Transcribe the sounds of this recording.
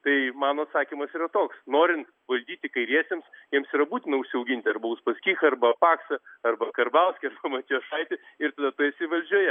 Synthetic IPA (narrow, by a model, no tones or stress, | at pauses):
t̪ɐɪmɑːnoːɐt̪sɑːkʲimɐsiːrɐt̪oːksnoːɾʲɪnt̪ | ʋɐlʲd̪ʲiːt̪ʲɪkɐɪɾʲiɛsʲemsjiɛmsiːɾɐbuːt̪ʲɪnɐʊʃʲsʲɪɐʊɡʲɪnʲt̪ʲɪɐrbɐʊspɐsʲkʲiːxɐɐrbɐpɑːksɐɐrbɐkɐrbɐʊsʲkʲɪɐrbɐmɐt̪ʲiːoʃɐɪt̪ʲɪ | ɪɾt̪ɐd̪ɐt̪ʊjɛsʲɪʋɐlʲd͡ʒʲuːjɛ